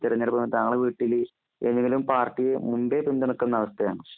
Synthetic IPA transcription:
t̪iɾɐɲːɐɽpɐmt̪aŋːɐɭeʋiːʈːil | enːeŋɡilumpaːrʈːijemumbepind̪ɐɳukːɐnːɐɐʋɐst̪ɐjaːɳɨ

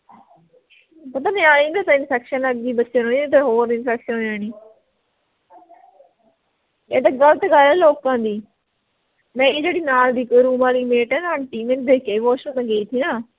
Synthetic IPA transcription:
pət̪ãːnɛ̃ːaːñĩːd̪at̪ãɪnpʰɛːkʃənəɡd̪iːbətːʃenoːiːt̪eːɦoːɾɪnfɛːkʃənɦoaːniː | eːd̪aːɡəlt̪eːɡəlɛːloːkãːd̪iː | mɛ̃ːeːd͡ʒeːɽiːnaːld̪iːkoɾuːmãːliːmeːʈɛ̃ːnaːnʈiːmẽːnd̪eːkeːiːʋoːʃõt̪ãːɡeiːt̪ʰiːnaː

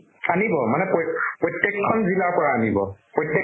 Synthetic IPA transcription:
anibɔmanɛpɔpɹɔtjɛkʰːɔnzilakɔɹaanibɔpɹɔtjɛ

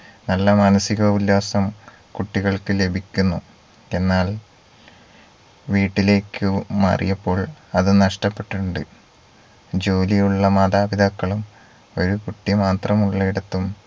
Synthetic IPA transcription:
nɐlːɐmaːnɐsiɣɐulːaːsɐm | kuʈːiɣɐɭkɨle̞bʱikʲːunːu | e̞nːaːɭ | ʋiːʈːile̞ːkːɨmɐ̰rḭjɐpːo̞ːɭɐðɨnɐʂʈɐpːe̞ʈːuɳɖɨ | d͡ʑo̞ːlijuɭːɐmɐd̪aːbid̪ɐkːɐɭum | o̞ɾukuʈːimaːt̪rɐmuɭːɐiɽɐt̪ːum

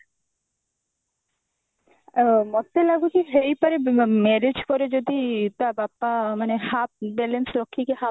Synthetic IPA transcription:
mɔt̪ːelaɡukiɦejpaɾemɛɾed͡ʑkɔɾed͡ʒod̪it̪abapːamanehap̚bɛlensɾokʰːikeɦa

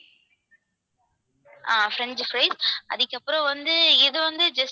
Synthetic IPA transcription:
aːfɾɛnd͡ʒfɾeːsʔɐ̰ðɯkʲːɐpːɯɾõʋɐnd̪ɯɪðɯʋɐnd̪ɯd͡ʒɐs

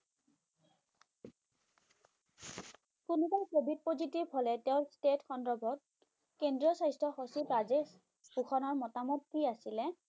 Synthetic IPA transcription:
kunubajkobʱid̚pozitibʱɦolɛteʊ̃nstetxɔndɹɔbʱɔt̚ | kendɹiɔsajstɹɔxosipɹazes | puxʰɔnɔɹmɔtamɔt̚kiasilɛ

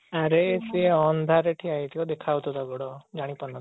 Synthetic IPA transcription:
aɾeseɔnd̪ʱaɾeʈʰiajt̪ʰiɔd̪ekʰawt̪ɔt̪ɔɡɔɽɔd͡ʒaɽ̃ipɔnɔt̪

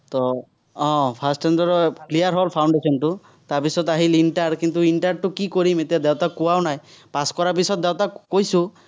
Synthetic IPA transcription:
t̪ɔ | ɔ̃pʰasʈendɔɾɔklijaɾɦolpʰawɳɖesɔnʈu | t̪aɾpisɔt̪aɦilinʈaɖkint̪uinʈaɾʈukikɔɾimet̪ijad̪ewt̪akuanajpaskɔɾap̬isɔt̪̚d̪ewt̪akojsu

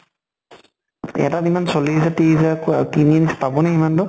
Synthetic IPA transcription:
ɛ̰atatimansolizatizakojaɹkinienisɛ̥pabɔnaimantʊ

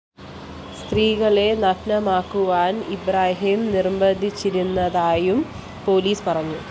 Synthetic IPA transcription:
st̪riːɣɐɭe̞nɐkʰnɐmaːkːuʋaːnibɾaːɦimnirmbɐd̪ʱːit͡ɕːiɾunːɐðaːjum | po̞ːliːspɐrɐɲːu

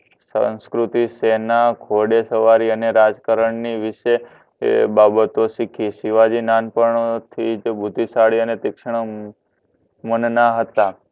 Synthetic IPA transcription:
sə̰̃skɾut̪isenakʰoɖesəʋaɾiəneɾad͡ʒkaɾəɳniʋɪʃḛ | babət̪osikʰisiʋad͡ʒinanpəɳot̪ʰid͡ʒbʱud̪ʱːisaɽiənet̪ɪkʃɳ̃ | mənnaɦət̪a

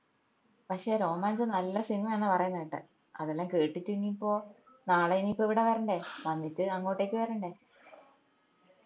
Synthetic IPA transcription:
pɐkʂe̞ːɾo̞ːmaːnsɨnɐlːɐsiŋːɐɭaːɳɨpɐrɐjunːɐiʈːɨ̰ | ɐðelːaːmke̞ːʈːitːuinːipːo̞ː | naːɭejinipːoiʋiɽeʋɐɾɐɳɖe̞ʋɐnːitːɨɐŋːo̞ːʈːeːkʲːɨʋɐɾɐɳɖe̞ː

